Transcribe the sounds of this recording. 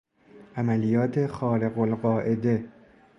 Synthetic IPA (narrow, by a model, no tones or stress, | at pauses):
ʔæmælijɒːt̪ʰe̞xɒːɾe̞ɣolɢɒːʔe̞d̪e̞